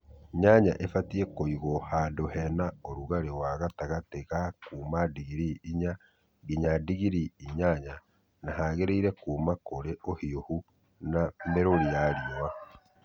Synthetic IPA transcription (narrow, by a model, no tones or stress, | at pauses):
ɲaɲa̰ʔefatiɛkoiɣɔhadohɛnaoɾuɣaɾewaɣataɣateɣakuːmadiɣiɾiiɲa | ɡiɲadiɣiɾiiɲaɲa | naɦaɣeɾeiɾɛkuːmakoɾeohiohu | nameɾoɾiaɾiɔa